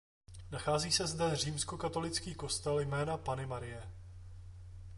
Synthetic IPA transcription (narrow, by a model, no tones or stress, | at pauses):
naxaːziːsɛzdɛr̝iːmsko̞kat̪o̞lɪt͡skiːko̞st̪ɛljmɛːnapanɪmaɾɪjɛ